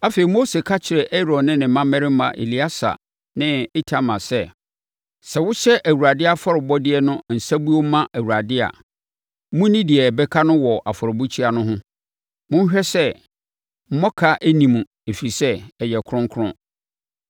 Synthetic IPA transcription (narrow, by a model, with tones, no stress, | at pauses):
a˦feː˨i˨mo˦se˨kʰa˦t͡ɕʰɪ˨ɾɛ˨ʔɛ˦ɾɔ̃˨nnɪ̃˦nɪ̃˨˦mã˦mɛ̃˦ɾɪ˦m̩˦mã̰˨ʔḛ˨li˨˦a˦sa̰˨ | nɪ̃˦ɪ˦tʰa˦mã˨sɛ˦˨ | sɛ˨wʊ˦ɕɛ˦ʔæ˨wu˨ɾa˨dɪ˦a˦fɔ˦ɾʊ˨bɔ˦dɪ˦ɛ˦nʊ̃˦˨n̩˨sa˦bu˦o˦m˦mã˦ʔæ˨wu˨ɾa˨dɪ˦a̰˨˦ | mʊ̃˦nĩ˦dɪ˨ɛ˨bɛ˦kʰa˦nʊ̃˦wɔ˨ʔa˨fɔ˨ɾʊ˨bu˦t͡ɕʰi˦a˨nʊ̃˦ɦʊ̃˦ | mʊ̃˦n˦ɕᶣɛ˦sɛ˦ | m̩˦mɔ̃˦kʰa˦ʔæ˦nĩ˨mũ˨ | e˨fi˨sɛ˦ɛ˨jɛ˨kʰɾʊ̃˦ŋ˦kʰʊ˦ɾʊ̰̃˦